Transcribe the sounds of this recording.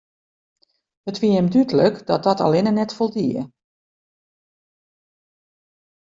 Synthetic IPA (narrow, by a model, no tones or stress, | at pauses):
ətʋiəəmdytələkdɔt̚dɔtʰa̰lɪnənɛtfolˠdiə